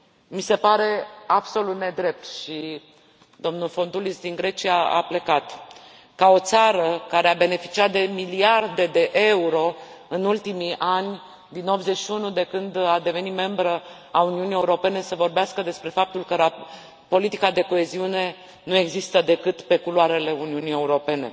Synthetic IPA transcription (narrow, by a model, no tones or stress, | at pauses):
mise̞paɾe̞abso̞lut̪ne̞d̪ɾe̞p̚t̪ʃi | d̪o̞mnulfo̞nt̪ulisd̪iŋɡɾe̞t͡ʃiaa̰ple̞kat̪ | kao̞t̪saɾəkaɾe̞abe̞ne̞fi̥t͡ʃiat̪̚d̪e̞miliard̪e̞d̪e̞ʔe̞uɾo̞ɨnult̪imiʔanʲ | d̪ino̞b̪zet͡ʃʃiunud̪e̞kɨnd̪ad̪e̞ve̞nit̪me̞mbɾə | auniunijeuɾo̞pe̞ne̞səvo̞rbeaskəd̪e̞spɾe̞fap̚t̪ulkəɾa | po̞lit̪ikad̪e̞ko̞e̞ziune̞ | nue̞ɡzist̪əd̪e̞kɨt̪pe̞kuluaɾe̞le̞uniunije̞uɾo̞pe̞ne̞̰